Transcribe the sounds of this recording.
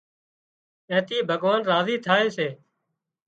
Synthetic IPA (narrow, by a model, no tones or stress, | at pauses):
ɛ̃ːt̪iːbʱəɡʋaːnɾaːziːt̪ʰaːeːseː